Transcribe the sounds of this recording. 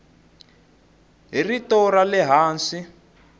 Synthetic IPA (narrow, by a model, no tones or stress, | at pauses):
ɦiritɔralɛɦaːnsi